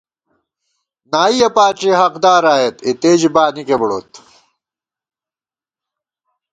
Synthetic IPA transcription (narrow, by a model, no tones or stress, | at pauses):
naːijɐpaːt͡ɕiɦɐqd̪aːɾaːjet̪it̪eːd͡ʑbaːnikebɽoːt̪